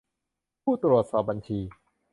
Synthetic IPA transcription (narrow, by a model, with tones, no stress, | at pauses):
pʰuː˥˩t̪ɾu˨˩ət̪̚sɔː˨˩p̚ba˧nt͡ɕʰiː˧